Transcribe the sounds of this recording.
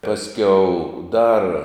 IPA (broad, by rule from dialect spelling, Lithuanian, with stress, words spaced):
ˈpɑːsʲˌkʲɛʊ dɐr